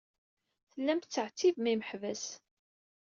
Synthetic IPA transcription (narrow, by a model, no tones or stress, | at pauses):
θəlːæmt̪t͡sːəʕt͡sːivmiməħvæs